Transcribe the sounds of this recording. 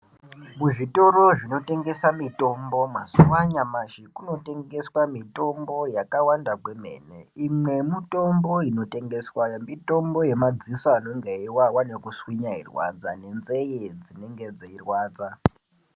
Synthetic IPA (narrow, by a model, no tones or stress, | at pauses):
muʐito̞ɾo̞ʐino̞te̞ŋɡe̞samito̞mbo̞masuwaɲamaʃikuno̞te̞ŋɡe̞swamito̞mbo̞jakawandakweme̞̰nḛimwe̞mito̞mboino̞te̞ŋɡeswamito̞mbo̞je̞mad͡zisoano̞ŋɡeiwawanekuswiɲairwa̰d͡zane̞nzejed͡zine̞ŋɡed͡zeirwaːd͡za